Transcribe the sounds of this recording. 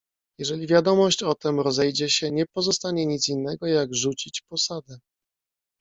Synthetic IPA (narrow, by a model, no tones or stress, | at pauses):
jɛʐɛlʲivʲjad̪ɔmɔɕt͡ɕɔt̪ɛmɾɔzɛjd͡ʑɛɕɛɲɛpɔzɔst̪aɲɛɲit̪sinːɛɡɔjaɡʐut͡ɕit͡ɕpɔsad̪ɛ